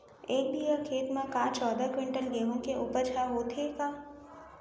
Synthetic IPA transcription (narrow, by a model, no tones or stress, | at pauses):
eːk̚d̪iːakʰeːt̪mãkaːt͡ʃɔːd̪akwɪ̃ɳʈənɡeːɦõkeuːpəɾt͡ʃʰaɦoːt̪ʰeːkaː